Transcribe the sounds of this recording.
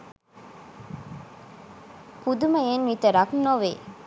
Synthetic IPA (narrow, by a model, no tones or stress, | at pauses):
pud̪umɐjenʋit̪əɾɐknoʋḛ